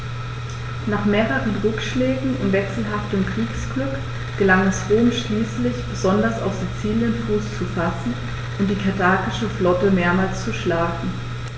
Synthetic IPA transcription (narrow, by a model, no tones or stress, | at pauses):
naːχmeːʁəʁənʁʏkʃlɛːɡŋ̩ʊntvɛksl̩ɦaftəmkʁ̥iːksɡ̥lʏk | ɡ̥əlaŋɛsʁoːmʃliːslɪçb̥əzɔndɐsa̰ʊfz̥it͡siːljənfuːst͡sufasn̩ | ʔʊnt̚d̥iːkʰaɐtʰaːkɪʃəflɔtəmeːɐmaːlst͡suʃlaːɡŋ̩